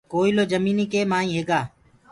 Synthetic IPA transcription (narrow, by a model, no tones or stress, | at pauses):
koːiːloːd͡ʒəmiːniːkeːmaːĩːɦeːɡaː